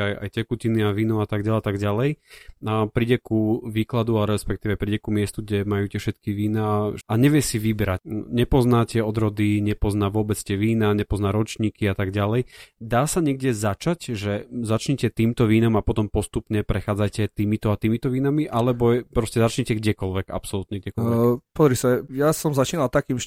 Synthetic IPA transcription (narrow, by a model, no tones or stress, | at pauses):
aja̰jcɛkuciniaʋiːnuat̪aɡɟalat̪aɡɟalɛj | pɾiɟɛkuʋiːklad̪uaɾɛspɛk̚t̪iːʋɛpɾiɟɛkumɪɛst̪uɡɟɛmajuːcɪɛfʃɛt̪kiʋiːnaaɲɛʋɪɛsiʋibɛɾacɲɛpɔznaːtɛɔd̪ɾɔd̪iɲɛpɔznaːʋʊɔbɛt͡st̪ɛʋiːnaɲɛpɔznaːɾɔt͡ʃɲiːkiat̪aɡɟalɛjd̪aːsaɲɛɡdɪɛzat͡ʃacʒɛzat͡ʃɲɛcɛt̪iːmt̪ɔʋiːnamapɔt̪ɔmpɔst̪upɲɛpɾɛxaːd͡zajcɛt̪iːmit̪ɔat̪iːmit̪ɔʋiːnamiʔalɛbɔɛpɾɔscɛzat͡ʃɲɛcɛɡɟɛkɔlʋɛɡa̰psɔlut̪ɲɛɡɟɛkɔlɛpɔzɾisajasɔmzat͡ʃiːnalt̪akiːmʃ